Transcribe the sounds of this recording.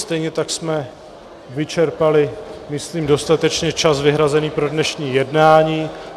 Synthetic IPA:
st̪ɛjɲɛt̪aksmɛ | vɪt͡ʃɛɾpalɪmɪsliːmdo̞st̪at̪ɛt͡ʃɲɛt͡ʃasvɪɦɾazɛniːpɾo̞dnɛʃɲiːjɛdnaːɲiː

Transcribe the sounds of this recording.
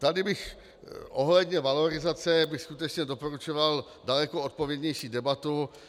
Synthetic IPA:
t̪adɪbɪx | ʔoɦlɛdɲɛvalo̞ɾɪzat͡sɛbɪxskut̪ɛt͡ʃɲɛdo̞poɾut͡ʃoval | dalɛkoot̪̚povjɛdɲɛjʃiːdɛbat̪u

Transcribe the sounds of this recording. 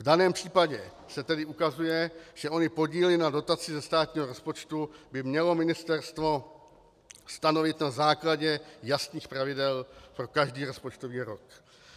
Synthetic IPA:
vdanɛːmpr̝̥iːpaɟɛ | sɛt̪ɛdɪʔukazujɛʒ̥ɛʔo̞ɲɪpo̞ɟiːlɪnado̞t̪at͡sɪzɛst̪aːt̪ɲiːɦoɾo̞spo̞t͡ʃt̪ubɪmɲɛlo̞mɪnɪst̪ɛɾst̪vo̞ | st̪ano̞vɪt̪nazaːklaɟɛjast̪niːxpɾavɪdɛlpɾo̞kaʒdiːɾo̞spot͡ʃt̪oviːɾok

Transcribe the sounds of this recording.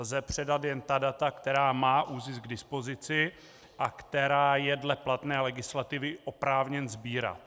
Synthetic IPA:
zɛpr̝̥ɛdat̪jɛnt̪adat̪akt̪ɛɾaːmaːʔuːzɪsɡdɪspo̞zɪt͡sɪ | ʔakt̪ɛɾaːjɛdlɛplat̪nɛːlɛɡɪslat̪ɪvɪʔo̞pɾaːvɲɛnzbiːɾa̰t̪

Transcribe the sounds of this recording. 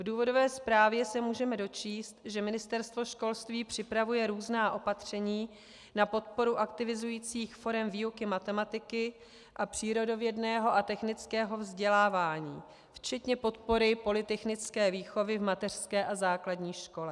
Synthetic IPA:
vduːvo̞do̞vɛːspɾaːvjɛsɛmuːʒɛmɛdo̞t͡ʃiːst̪ʒɛmɪnɪst̪ɛɾst̪vo̞ʃko̞lst̪viːpr̝̥ɪpɾavujɛɾuːznaːʔo̞pat̪r̝̥ɛɲiː | napo̞t̪̚po̞ɾuʔakt̪ɪvɪzujiːt͡siːxfo̞ɾɛmviːukɪmat̪ɛmat̪ɪkɪ | ʔapr̝̥iːɾo̞do̞vjɛdnɛːɦo̞ʔat̪ɛxnɪt͡skɛːɦo̞vzɟɛlaːvaːɲḭː | ft͡ʃɛt̪ɲɛpo̞t̪po̞ɾɪpo̞lɪt̪ɛxnɪt͡skɛːviːxo̞vɪvmat̪ɛr̝̥skɛːʔazaːkladɲiːʃko̞lɛ

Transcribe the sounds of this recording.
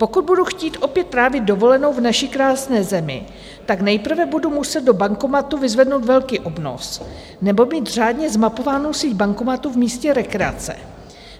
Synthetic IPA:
po̞kud̪̚buduxciːt̪ʔo̞pjɛt̪̚ːɾaːvɪd̪̚do̞vo̞lɛno̞wvnaʃɪkɾaːsnɛːzɛmɪ̰ | t̪aknɛjpr̩vɛbudumusɛd̪̚do̞baŋko̞mat̪uvɪzvɛdnowt̪vɛlkiːʔo̞bno̞̰s | nɛbo̞miːt̪r̝aːdɲɛzmapo̞vaːnowsiːc̪̚baŋko̞mat̪uvmiːscɛɾɛkɾɛa̰t͡sɛ̰

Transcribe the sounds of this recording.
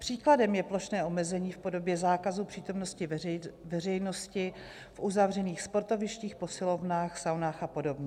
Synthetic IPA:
pr̝̥iːkladɛmjɛplo̞ʃnɛːʔo̞mɛzɛɲiːfpo̞do̞bjɛzaːkazupr̥iːt̪o̞mnoscɪvɛr̝ɛjno̞scɪ | fʔuzavr̝ɛniːxspo̞ɾt̪o̞vɪʃciːxpo̞sɪlo̞vnaːxsawnaːxapo̞do̞bɲɛ

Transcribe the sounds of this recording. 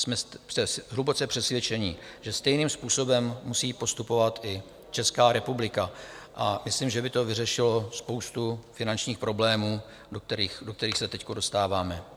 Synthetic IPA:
smɛsɛsɦlubot͡sɛpr̝̥ɛsvjɛt͡ʃɛɲɪʒ̥ɛst̪ɛjniːmspuːso̞bɛmːusiːpo̞st̪upo̞vat̪ʔɪ | t͡ʃɛskaːɾɛpublɪkaʔamɪslimʒɛbɪt̪o̞vɪrɛʃɪlo̞spo̞wst̪ufɪnant͡ʃɲiːxpɾo̞blɛːmuː | dokt̪ɛɾiːxdok̚t̪ɛɾiːxsɛt̪ɛckodo̞st̪aːvaːmɛ

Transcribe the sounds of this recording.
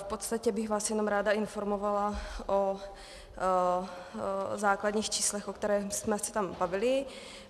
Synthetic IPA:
fpot̪st̪acɛbɪɣvaːsjɛno̞mɾaːdaɪnfo̞ɾmovalaʔo | zaːklad̪ɲiːxt͡ʃiːslɛxʔokt̪ɛɾɛːsmɛsɛ̥t̪ambavɪlɪ

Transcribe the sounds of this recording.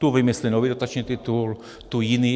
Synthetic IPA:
t̪uʋimislinɔʋiːd̪ot̪at͡ʃnit̪it̪ul | t̪ujiniː

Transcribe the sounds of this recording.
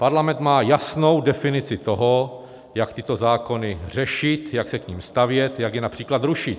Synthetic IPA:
paɾlamɛnt̪maːjasno̞wdɛfɪnɪt͡sɪt̪o̞ɦo | jakt̪ɪt̪o̞zaːko̞nɪr̝ɛʃɪt̪jaksɛkɲiːmst̪avjɛt̪jakjɛnapr̥iːklad̪ɾuʃɪt̪

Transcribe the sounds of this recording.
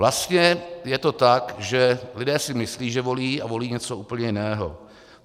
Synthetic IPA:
vlast̪ɲɛjɛt̪o̞t̪akʒɛlɪdɛːsɪmɪsliːʒɛvo̞liːʔavo̞liːɲɛt͡souːpl̩ɲɛjɪnɛːɦo̞̰

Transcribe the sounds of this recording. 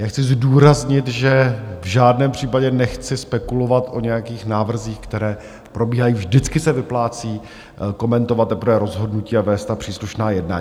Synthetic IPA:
jaːxt͡sɪzduːɾazɲɪt̪ʒɛvʒaːdnɛːmpr̝̥iːpaɟɛnɛxt͡sɪspɛkulo̞vat̪ʔo̞ɲɛjakiːxnaːvr̩ziːxkt̪ɛɾɛː | pɾo̞biːɦajiːvʒdɪt͡skɪsɛvɪplaːt͡siː | ko̞mɛnt̪ovat̪̚ːɛpɾ̩vɛːɾo̞zɦo̞dnuciːavɛːst̪t̪apr̥iːsluʃnaːjɛdna̰ːɲ

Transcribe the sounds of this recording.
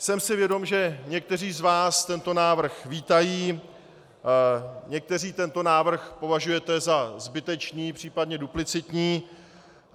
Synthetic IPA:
sɛmsɪvjɛdo̞mʒɛɲɛk̚t̪ɛr̝iːzvaːst̪ɛnt̪o̞naːvr̩xviːt̪ajiː | ɲɛk̚t̪ɛr̝iːt̪ɛnt̪o̞naːvr̩xpo̞vaʒujɛt̪ɛzazbɪt̪ɛt͡ʃniːpr̝̥iːpadɲɛduplɪt͡sɪt̪ɲiː

